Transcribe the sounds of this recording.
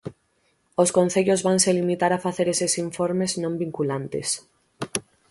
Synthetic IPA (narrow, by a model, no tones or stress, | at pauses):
oskõnθeʎozβaŋselimit̪aɾafaθeɾesesiɱfoɾmeznõmbiŋkulant̪ḛs